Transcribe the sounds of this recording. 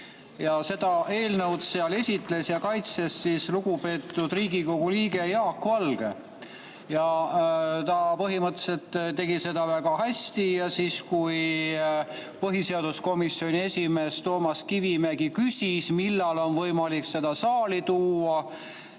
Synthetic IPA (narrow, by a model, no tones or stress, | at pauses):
jɑse̞d̪̥ɑʔe̞ːlnəwd̪se̞ɑle̞sʲit̪ˑle̞sjɑkɑjt̪se̞sːisluɡupe̞ːt̪ːud̪̥riːɡiko̞ɡ̥uliːɡe̞jɑːkːuɑlɡ̥e̞̰ | jɑ | t̪ɑpɤɦimɤt̪ːse̞lt̪ːt̪e̞ɡise̞d̪ɑvæɡ̥ɑɦæsʲt̪ijɑsiːskuj | pɤɦise̞ɑd̪̥usko̞misio̞nʲie̞sʲime̞ːst̪o̞ːmɑskivimeɡikysʲismilːɑlo̞nvɤjmɑlikse̞d̪ɑsɑːlit̪uːɑ